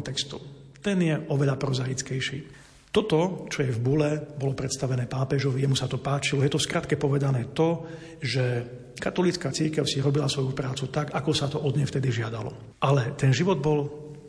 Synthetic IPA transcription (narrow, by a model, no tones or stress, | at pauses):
nt̪ɛkst̪ɔt̪ɛnjɛʔɔʋɛʎapɾɔzajit͡skɛjʃḭː | t̪ɔt̪ɔt͡ʃɔjɛvbulɛbɔlɔpɾɛt̪st̪aʋɛnɛːpaːpɛʒɔʋijɛmusat̪ɔpaːt͡ʃilɔjɛt̪ɔskɾat̪kɛpɔʋɛd̪anɛːt̪ɔ | ʒɛ | kat̪ɔlit͡skaːt͡siɾkɛʊsiɾɔbilasʋɔjupɾaːt͡sut̪aɡakɔsat̪ɔʔɔd̪ɲɛjft̪ɛd̪iʒɪad̪alɔ̰ | ʔalɛt̪ɛnʒiʋɔd̪̚bɔl